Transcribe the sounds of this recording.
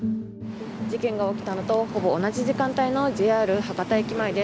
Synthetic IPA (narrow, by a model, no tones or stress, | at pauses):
d͡ʑikẽ̞ŋɡao̞kʲi̥t̪ano̞t̪o̞ho̞bo̞ːnaʑiʑikãnt̪aino̞ʑiaːɾɯ̟hakat̪aikʲimaid̪e̞